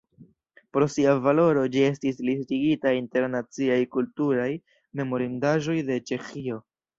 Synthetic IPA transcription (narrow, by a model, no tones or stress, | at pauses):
pɾo̞siavalo̞ɾo̞d͡ʒie̞s̬tislis̬tiɡitainte̞ɾnat͡siajkultuɾaj | me̞mo̞ɾindaʒo̞jde̞t͡ʃe̞xio̞